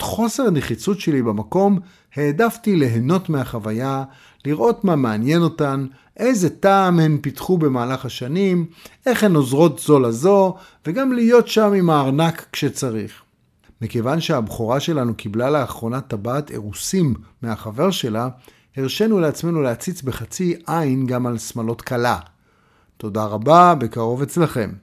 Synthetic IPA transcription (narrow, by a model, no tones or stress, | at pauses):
tχo̞se̞ʁaneχit͡sutʃe̞libamako̞m | he̞ːdaftileɦeno̞tmeaχavaja | liʁʔo̞tmameanje̞no̞tan | ʔejzetaːmhe̞mpitχube̞maːlaχhaʃanimʔe̞χhenozʁo̞tz̥o̞lazo̞ | veɡamlijo̞tʃamimaːʁnakːʃet͡saʁiχ | mikevanʃeabχoʁaʃe̞lanukiblaleaχʁo̞natabaːtʰḛʁusimːeaχave̞ʁʃe̞la | heʁʃenuleat͡sme̞nuleat͡sit͡sbe̞χat͡siʔajnɡamalsmalo̞tkala | to̞daʁababekaʁo̞ve̞t͡slaχe̞m